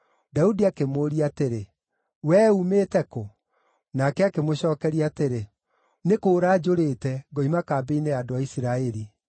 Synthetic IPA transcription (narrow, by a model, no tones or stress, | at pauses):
daudiakemoːɾiateɾe | wɛumeːtɛko | nakɛakemoɕɔːkɛɾiateɾe | nekoːɾaːd͡ʒoɾeːtɛɡɔimakaːbeineadoaisiɾaɛɾi